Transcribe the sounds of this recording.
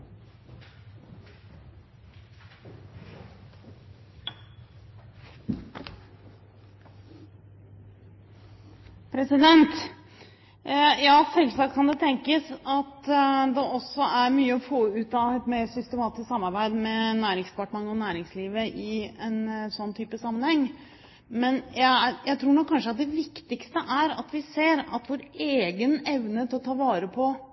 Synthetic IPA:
pʰɾɛsɪd̪ɛnt̪ | jɑːsɛlsɑkt̪kʰɑnd̪ɛt̪ʰɛŋkəsɑt̪d̪ɛʔɔsːɔæɾmyːəɔfoːʉːt̪ɑɛt̪mesʏst̪ɛmɑːt̪ɪsksɑmːɑɾbæɪd̪mɛnæːɾɪŋspʰɑʈɳənɔnæːɾɪŋsliːʋəʔɪɛnsɔnːt̪ʰyːpəsɑmːənhɛŋː | mɛnjæjæɪt̪ʰɾuːɳɔkʰːɑnʂəɑt̪̚d̪ɛʋɪkt̪ɪkst̪əʔæɾɑ̰t̪ʋɪseːɾɑt̪ʋoːɾeːɡənɛʋnət̪ʰɪlɔt̪ʰɑːʋɑːɾəpʰɔ

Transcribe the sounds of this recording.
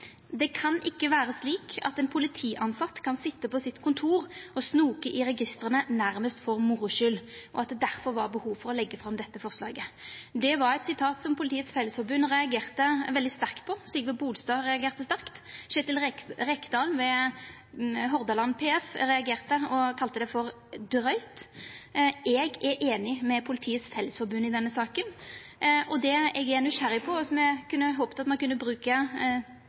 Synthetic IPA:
d̪ɛkʰɑnʔɪkːəʋæːɾəsliːkʰɑ̰t̪ɛnpʰʊlɪt̪ʰiːʔɑnsɑt̪ːkʰɑnsɪt̪ːəpɔsɪt̪ːkʰʊnt̪ʰuːʁɔsnuːkəʔɪɾɛɡɪst̪əɾʁənənæɾməst̪fɔʁmʊɾʊʃʏlʔɔɑt̪̚d̪ɛd̪æʁfɔɾʋɑʁbəhuːʋfɔʁɔlɛɡːəfʁɑmd̪ɛt̪ːəfɔʁslɑ̰ːɡəd̪ɛʋɑɾɛt̪sɪt̪ʰɑːt̪sɔmpʰʊlɪt̪ʰiːət̪sfɛlːəsfɔɾbʉnːʁɛɑɡeːʁt̪əʋɛld̪ɪst̪æʁkt̪̚pʰɔsliːkəʋɔbuːlst̪ɑːʁɛɑɡeːʁt̪əst̪æʁkt̪ʃɛt̪ɪlɛɾɛkd̪ɑːlnʋɛ | ɦɔʁd̪ɑlɑnːpʰeːɛfɾɛɑɡeːʁt̪əɔkʰɑlt̪əd̪ɛfɔɾ | d̪ɾœʏt̪ | ʔɛɡɛʔeːnɪmɛpʰʊlɪt̪ʰiːət̪sfɛlːəsfɔɾbʉnːɪd̪ɛnːəsɑːkən | ʔɔd̪ɛɛɡænʉʃæɾɪpʰɔsɔmɛkʰʉnːəɦoːpt̪ɑt̪mɑnkʉnːəbɾʉːkə

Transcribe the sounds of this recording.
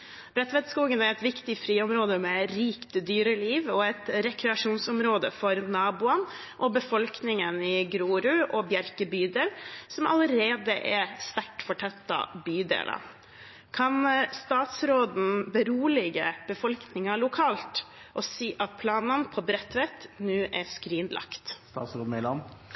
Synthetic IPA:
b̥ɾɛt̪ʋɛt̪skuːɡənæɾɛt̪ʋɪkt̪ɪfɾiːɔmɾoːd̪əmɛɾiːkt̪əd̪yːɾəliːʋɔɛt̪ɾɛkʰɾɛɑʂuːnsɔmɾoːd̪əfɔɾnɑːbʊən | ʔɔbəfɔlknɪŋənɪɡɾuːɾʉʔɔbjæɾkəbyːd̪eːlsɔmɑ̰ləɾeːd̪əʔɛst̪æʈfɔʈʰɛt̪ːɑ̰byːd̪ḛːlʔɑ̰ | kʰɑnst̪ɑːt̪sɾoːd̪n̩bəɾuːlɪɡəb̥əfɔlknɪŋɑɭʊkʰɑːlt̪ | ʔɔsiːʔɑt̪̚pʰlɑːnənpʰɔbɾɛt̪ʋɛt̪nʉːʔæskɾiːnlɑ̰kt̪st̪ɑːt̪sɾoːd̪n̩ɪlɑn

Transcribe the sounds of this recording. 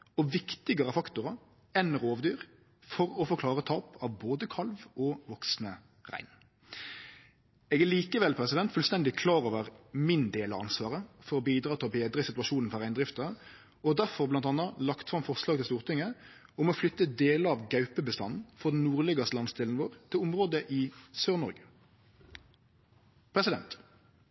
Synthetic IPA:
ɔʋɪkt̪ɪɡəʁəfɑkt̪ʊʁɑ | ɛnʁoːʋd̪yːʁ | fɔɾɔfɔʁkʰlɑːʁət̪ʰɑːpʰɑʋboːd̪əkʰɑlʋɔʋɔksnə | ʁæ̰ɪn | ɛːɡæɭiːkəʋɛlpʰɾɛsɪd̪ɛnt̪fʉlst̪ɛnd̪ɪkʰlɑːɾoːʋəʁmɪnd̪eːlɑ̰ʋɑ̰nsʋɑːʁəfɔʁɔbiːd̪ʁɑːt̪ʰɪlbeːd̪ʁəsɪt̪ʉʋɑʃuːnn̩fɔʁæɪnd̪ʁɪft̪ə | ɔd̪æʁfɔʁblɑnt̪ɑnːəlɑkt̪fʁɑmfɔʁʂlɑːɡ̚t̪ɪlst̪uːʁt̪ɪŋə | ʊmɔflʏt̪ːəd̪eːləɑʋɡœʉpəbəst̪ɑ̰n̩fɔʁd̪n̩nuːʁleːɡɑslɑnst̪ɪːln̩ʋoːʁt̪ʰɪlʊmʁoːd̪əʔɪsøːʁnɔʁɡə | pʰʁɛsɪd̪ɛ̰nt̪

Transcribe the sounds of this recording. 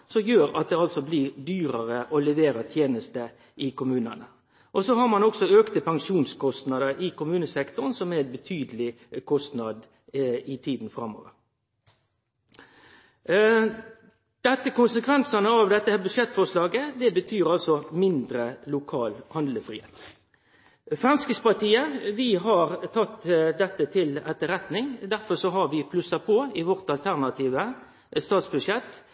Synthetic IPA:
sɔmjøːɾɑ̰t̪̚d̪ɛɑlsɔblɪɾd̪yːɾəʁəʔɔlɛʋeːɾət̪ʰjeːnəst̪ə | ɪkʊmʉːnənə | ʔɔsɔhɑɾmɑnɔksɔøːkt̪əpʰɑŋʃuːnskʰɔst̪nɑd̪əɾɪkʊmʉːnəsɛkt̪ʊɾnsɔmɛɛnbət̪ʰyːd̪əlɪ | kʰɔst̪nɑd̪ | ɪt̪ʰiːd̪n̩fɾɑmɔ̰ʋəɾ | d̪̥ɛt̪ːəkʊnsəkʰʋɛnsɑnəɑʋd̪ɛt̪ːəhæbʉd̪ʃjɛt̪ːfɔʁʂlɑːɡəd̪ɛbət̪ʰyːʁɑlsɔmɪnd̪ɾəlʊkʰɑːlhɑnd̪ləfʁiːheːt̪ | fʁɑnskəspɑʁt̪ʰiːəʋɪɦɑɾt̪ʰɑt̪ːd̪ɛt̪ːət̪ʰɪlɛt̪ːəɾɛt̪nɪŋd̪æɾfɔʁʂɔɦɑʁʋɪpʰlʉsɑpʰoːɪʋɔʁt̪ɑlt̪ʰæʁnɑt̪ʰiːʋə | st̪ɑːt̪sbʉʂjɛt̪ː

